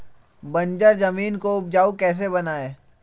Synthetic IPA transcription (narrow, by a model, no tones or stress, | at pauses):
bɐ̃ɲd͡ʒəɾzɐmiːnkoʊp̚d͡ʒaːukɛːs̬ebɐnaːeː